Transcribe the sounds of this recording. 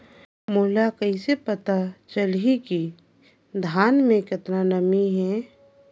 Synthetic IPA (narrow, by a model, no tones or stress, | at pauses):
moɦlakəisepət̪at͡ʃəlɦiki | d̪ʱaːnmẽkɪt̪nanəmiɦɛː